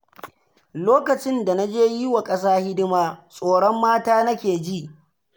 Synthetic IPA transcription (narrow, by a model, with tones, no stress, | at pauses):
loː˦kɐ˨t͡ʃɪ˦nda˨na˦d͡ʒeː˦ji˦wa˨kʼɐ˦saː˦hɪ˦dɪ˦maː˦sʼoː˨ɽɔ˦mːaː˦taː˦nɐ˦kʲeː˨d͡ʒi˦ʔ